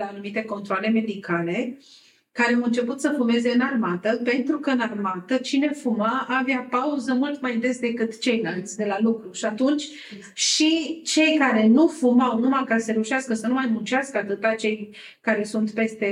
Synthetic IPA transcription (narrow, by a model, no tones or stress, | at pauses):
aanumit̪e̞ko̞nt̪ɾoale̞me̞d̪ikale̞ | kaɾeawɨnt͡ʃe̞put̪səfume̞ze̞ɨnarmat̪əpe̞nt̪ɾukəɨnarmat̪ət͡ʃine̞fumaʔːveapauzəmult̪majd̪e̞s̚d̪e̞kɨt̪t͡ʃe̞jnalt̪sʲd̪e̞lalukɾuʃiat̪unt͡ʃʲ | ʃit͡ʃe̞jkaɾe̞nufumawnumakasəɾe̞uʃaskəsənumajmunt͡ʃaskəat̪ɨt̪at͡ʃe̞j | kaɾe̞sunt̪pe̞st̪e̞